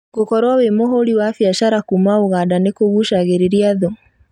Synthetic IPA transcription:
ɡokɔɾwawemoɦoliwafjaʃaɾakumaoɣadanekoɣuʃaɣeɾeɾiaðo

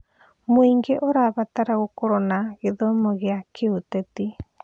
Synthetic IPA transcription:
moiŋɡeʔoɾaβataɾaɣokoɾɔnaɣeðomɔɣeakʰeotɛti

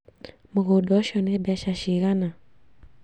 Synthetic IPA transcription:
muɣuɗɔʃɔnɛbjaʃaʃiɣana

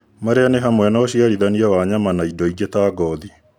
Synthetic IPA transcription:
maɾeaneɦamwɛnɔːɕiaɾiðaniawaɲamanaidɔiɡetaːɡɔði

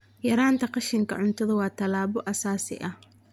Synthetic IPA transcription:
jɐɾaːnt̪ʰɐqɑʃɪŋkʰɐ̰ʕʊnt̪ʰɐðɐwɑːt̪ʰɐlaːβɔʔɐsaːsɪ̰ʔɐh

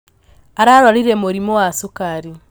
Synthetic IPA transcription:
aɾaɾwaɾiɾemoɾimowasukaɾi

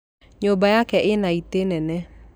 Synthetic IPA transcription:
ɲobajakɛʔɪnait̪enɛnɛ

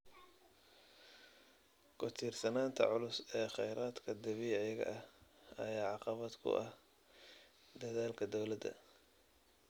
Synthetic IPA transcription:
kʰʊt̪ʰiːrsɐnaːnt̪ʰɐ̰ʕʊlʊsɛːχɛjɾaːd̪kʰɐd̪ɐβiːʕjɣɐ̰ʔɐhɐjaːʕɑqɑβɐd̪kʰʊ̰ʔɐh | d̪ɐðaːlkʰɐd̪ɔwlɐd̪ɐ̰

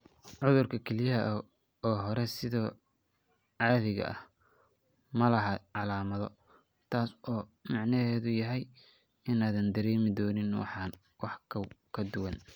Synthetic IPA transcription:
ʕʊðʊrkʰɐkʰɛlɪjɐɦɐʔ | ɔːɦɔɾɛsɪðɔː | ʕɑːðɪɣɐ̰ʔɐ̰h | mɐlɐɦɐʕɑlaːmɐðɔ | t̪ʰaːsɔːmɑʕnɐɦɛːðʊjɐɦɛj | ɪnaːðɐnd̪ɐɾɛːmɪd̪ɔːnɪnwɑ̰ħɑːn | wɑħkʰɐwkʰɐd̪ʊwɐn

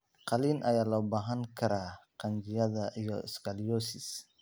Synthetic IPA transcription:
qɑliːnʔɐjaːlɔbaːɦɐŋkʰɐɾaːqɑnt͡ʃɪjɐðɐʔijɔɪ̰skʰalijɔːsɪs

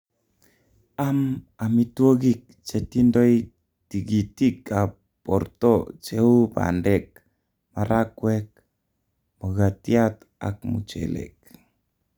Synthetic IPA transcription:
amamitwoɣik̚t͡ʃetindoj | tiɡitika | pɔrt̪ot͡ʃeuba̰ndɛk̚ | maɾakwɛk̚ | moɣatiat̪ | a̰k̚mṵt͡ʃɛ̰lɛ̰k̚

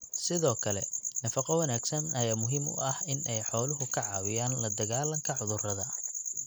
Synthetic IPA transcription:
sɪðɔːkʰɐlɛnɐfɑqɑwɐnaːɡsɐnɐjaːmʊɦiːmʊ̰ʔɐhɪnɛjħɔːlʊɦʊkʰɐʕɑːwɪjaːnlɐd̪ɐɣaːlɐŋkʰɐʕʊðʊrɐðɐ

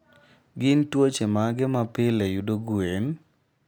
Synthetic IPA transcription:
ɡɪntwot͡ʃemaɡɪmapɪlɛjudoɡuen

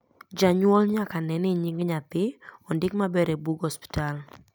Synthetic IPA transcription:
d͡ʒaɲwɔlɲakanɛnɪɲɪŋɡɲat̪ɪɔndɪkmabɛɾebuɡɔspɪ̥tal

